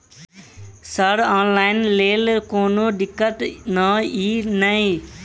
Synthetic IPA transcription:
səɽaːnlaːɪnleːlkoːnoːɖɪkːət̪nãːiːnəĩ

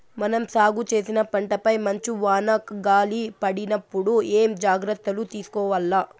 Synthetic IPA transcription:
mɐnɐmsaːɡut͡ʃe̞ːsinɐpɐɳʈɐpɐjmɐɲt͡ʃiʋaːnɐkɡaːlipɐɽinɐpːuɽueːmd͡ʒaːɡɾɐt̪ːɐlut̪iːsu̥kɔːʋɐlːaː

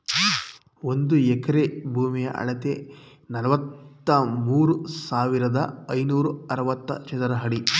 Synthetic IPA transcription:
ond̪uɛkɐɾebʱuːmijɐ̰ʔɐ̰ɭɐt̪e | nɐlɐʋɐt̪ːɐmuːɾusaːʋiɾɐd̪ɐ̰ɐjnuːɾuɐɾɐʋɐt̪ːɐ̰t͡ʃɐt̪ɐɾɐɦɐɽi

